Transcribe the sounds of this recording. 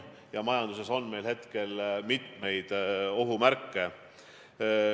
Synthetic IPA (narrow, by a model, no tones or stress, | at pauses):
jɑmɑjɑnd̪̥use̞so̞nme̞jlhe̞t̪ke̞lmit̪me̞jd̪̥o̞ɦumæɾkːe̞